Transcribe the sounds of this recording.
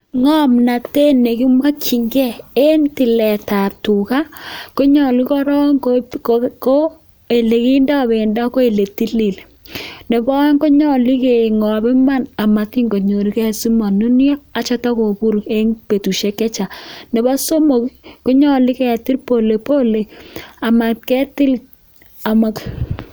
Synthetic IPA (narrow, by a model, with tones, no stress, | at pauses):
ŋɔ˦mna˨te˦ne˨ki˦mwa˦kʰi˨ŋɡɛ˦e˦nti˨lɛ˨ta˨p̚tu˨ka˦ko˦ɲɔ˨li˦kɔ˦ɾɔ˦ŋkoko˦ | e˨le˨ki˦nda˦˨be˨nda˦ko˦e˨le˨ti˦li˨l | ne˨bɔ˦ŋko˦ɲɔ˦˨li˦ke˨ŋɔ˨bɛ˦ma˦na˨ma˨ki˦ŋo˨ɲo˨ɾi˦kɛ˦˨si˦ma˨nu˦n˦ɔ˦a˨t͡ʃɔ˦ta˦ko˨bu˦ɾe˦ŋpe˨tu˨ʃe˦kɛ˦t͡ʃa˨ne˨ba˦so˦mo˨kko˦ɲɔ˦li˦kɛ˨a˨ti˦ɾpo˨le˨po˦le˨a˨ma˨kɛ˦tɪ˦l | a˨ma˨k